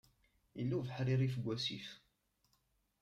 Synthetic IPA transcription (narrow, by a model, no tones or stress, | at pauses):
jəlːæwvəħɾiɾifəɡʷːæsḭf